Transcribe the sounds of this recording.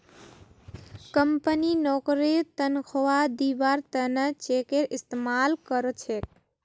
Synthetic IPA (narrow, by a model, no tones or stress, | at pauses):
kəmpəninokɾit̪ənkʰowad̪ibaɾt̪ənət͡ʃekeɾist̪emalkəɾot͡ʃʰek̚